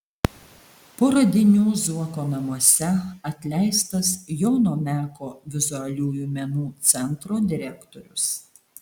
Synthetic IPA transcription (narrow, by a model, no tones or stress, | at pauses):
poːɾɐd̪ʲɪnʲuːzuɔkoːnɐmuɔsʲɛɐt̪ʲlʲɛɪst̪ɐsjɔʊnoːmʲæːkoːʋʲɪzʊɐlʲuːjuːmʲɛnuːt̪sʲɛnˑt̪ɾoːd̪ʲɪɾʲɛkt̪ɔɾʲʊs